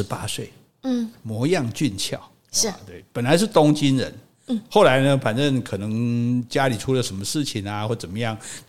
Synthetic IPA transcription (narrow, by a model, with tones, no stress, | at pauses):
ɻ̩˧˦pa̰˥swe˥˩ɪ˥ | mwɔ˧˥jɑ˥˧ŋt͡ɕy˥˧nt͡ɕʰjɑ˥˩˨ʊ˥˩ | t̪we˥˩ɪpə˨˩nla˧˦ɪʂɻ̩˥˨t̪ʊ˥ŋt͡ɕi˦˥nɻə̰˧˦n | xo˥˩ʊla˧˥ɪnə˧fa˨˩nʈ͡ʂə˥˩ŋkʰɤ˨˩nɤ˧˥ŋt͡ɕja˥li˨˩ʈ͡ʂʰu˥lə˨˩ʂə˧˥nmə˧ʂɻ̩˥˩t͡ɕʰi˨na˧xwɔ˥˩t͡sə˨˩nmə˦jɑ˥˩ŋ